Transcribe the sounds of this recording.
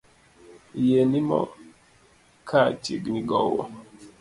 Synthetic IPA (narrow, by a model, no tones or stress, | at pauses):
jenimɔ̰ | kʰat͡ʃḭɡniɡɔwɔ̰